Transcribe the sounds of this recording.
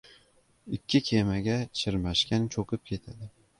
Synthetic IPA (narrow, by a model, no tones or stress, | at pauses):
ɪkʲʰːɪkʲʰemaɡʲat͡ʃʰɪɾmaʃkʲant͡ʃʰoqʰɨp̚kʲʰe̞t̪ʰad̪ɪ